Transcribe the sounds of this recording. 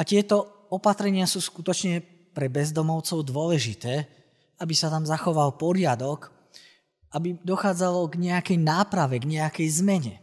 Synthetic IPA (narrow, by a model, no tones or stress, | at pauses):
at̪ɪɛt̪ɔ | ɔpat̪ɾɛɲɪasuːskut̪ɔt͡ʃɲɛ | pɾɛbɛzd̪ɔmɔʊt͡sɔʊd̪ʊɔlɛʒit̪ɛː | abisat̪amzaxɔʋalpɔɾɪad̪ɔɡ | ʔabid̪ɔxaːd͡zalɔɡɲɛakɛjnaːpɾaʋɛɡɲɛakɛjzmɛɲɛ